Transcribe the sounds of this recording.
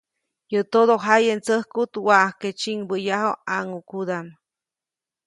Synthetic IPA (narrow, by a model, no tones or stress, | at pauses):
jət̪od̪oɦajent͡səhkut̪wahket͡ʃiŋbəjaɦoaŋukud̪am